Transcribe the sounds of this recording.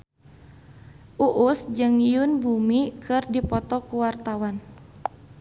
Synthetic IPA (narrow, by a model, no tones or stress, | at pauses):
ʔuʔusd͡ʒɨŋijunbumikʰɨrdipɔt̪ɔkuwart̪awan